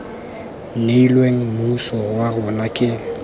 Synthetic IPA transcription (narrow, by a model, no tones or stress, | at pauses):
m̩neilweŋ̩musɔwaɣʊnakʼɪ